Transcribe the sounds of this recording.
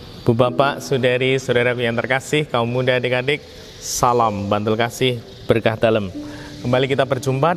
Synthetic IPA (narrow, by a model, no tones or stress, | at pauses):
b̥ubapaʔsudaɾisodaɾakujaŋt̪ərkasɪhkaumudadikadɪk̚ | salambant̪ulkasɪh | b̥ərkahd̥aləmkəmbalikit̪abərd͡ʒumpa